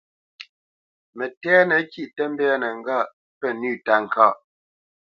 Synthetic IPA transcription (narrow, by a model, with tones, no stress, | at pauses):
mə˨tɛː˦nə˨˦ki˨ʔtə˦m˦bɛ˦nə˨ŋ̩˦ɡa˦˨ | pə˦nʉː˦˨ta˨ŋ˨kaː˦˨